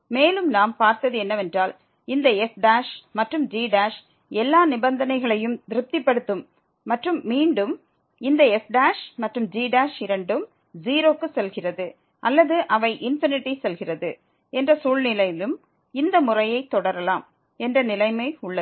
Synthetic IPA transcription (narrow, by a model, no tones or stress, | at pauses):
meːlɯmnaːmpaːɾt̪ɐðɯɛnːɐʋɛndraːl | ɪnd̪ɐɛfɖaːʂmɐʈrɯmd͡ʒiːɖaːʂ | ɛlːaːnɪbɐnd̪ɐnɐɪɣɐɭɐjɯmd̪ɪɾɯp̚t̪ɪpːɐɽɯt̪ːɯmː | ɐʈrɯmːiːɳɖɯm | ɪnd̪ɐɛfɖaːʂmɐʈrɯmd͡ʒiːɖaːʂɪɾɐɳɖɯm | ziːɾoːkːɯsɛlɣɪrɐðɯ | ʔɐlːɐðɯʔɐʋɐɪʔɪnfɪnɪʈːisɛlɣɪrɐðɯ | ɛndrɐsuːlnɪlɐjɪlɯm | ɪnd̪ɐmʊrɐjɐɪt̪ːɔɽɐɾɐlaːm | ɛndrɐnɪlɐɪmɐɪʊɭːɐ